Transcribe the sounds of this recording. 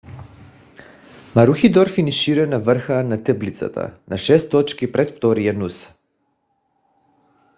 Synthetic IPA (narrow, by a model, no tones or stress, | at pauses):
maɾuxid̪ɔɾfiniʃiɾɛnavər̩xanat̪əblit̪sa̰t̪a̰naʃɛst̪ɔt͡ʃkipɾɛt̪ft̪ɔɾijanus